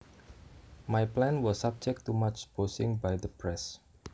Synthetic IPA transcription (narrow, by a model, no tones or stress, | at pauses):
majplɛ̃nwɔsːab̚d͡ʒɛk̚tumat͡ʃb̥osɪ̃ŋbajd̪əpɹɛs